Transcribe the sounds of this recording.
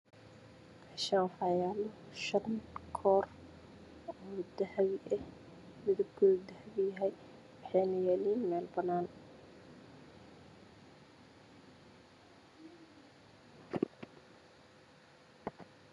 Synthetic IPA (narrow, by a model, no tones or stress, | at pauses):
aʃanfɑjaːlɔʃɑqnkʰɔːr | ɔːd̪ɐħwɪʔɛ | mɪðʊb̚kʰɔd̪ɐħwɪjɐɦɛj | wɑħɑjnɐjɛːliːnmɛːlbɐnaːn